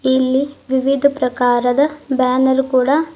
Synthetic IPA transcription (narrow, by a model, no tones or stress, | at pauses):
ilːiʋiʋid̪ʱɐpɾɐkaːɾɐd̪ɐbaːnɐɾkuːɽɐ